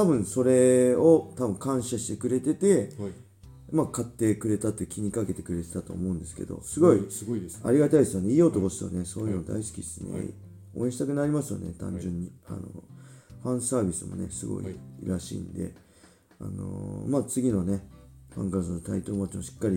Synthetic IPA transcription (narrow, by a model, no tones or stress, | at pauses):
t̪abɯ̟̃ɰ̃so̞ɾe̞o̞t̪abɯ̟̃ŋkãɰ̃ɕaɕi̥t̪e̞kɯ̟ɾe̞t̪e̞t̪e̞ | makat̪ːe̞kɯ̟ɾe̞t̪at̪ːokʲiɲ̟ikake̞t̪e̞kɯ̟ɾe̞t̪et̪at̪o̞̰ːmo̞ɯ̟̃nd̪esɨ̥ke̞̰d̪o̞̰sɨɡo̞ia̰ɾʲiɡat̪aid̪e̞sɨjoneiːot̪okosi̥o̰ne̞so̞ːjɯnod̪a̰isɨ̥kʲid̪esɨnḛ | o̰ẽɕit̪akɯ̟naɾʲimasɨjo̰ne̞̰t̪ã̰ɲd͡ʑɨ̃ɲ̟ːia̰noɸãɰ̃saːbʲisɨmo̞̰ne̞̰sɨɡo̞̰ḭɾaɕḭːnd̪e̞̰ | a̰no̰maːt͡sɨɡʲino̞ne̞ɸã̰ŋɡaɾzɨnot̪ait̪omot͡ɕimoɕi̥kːaɾʲi